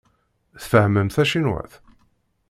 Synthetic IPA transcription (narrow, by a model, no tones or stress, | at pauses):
θfəhməmθæʃinwæ̰θ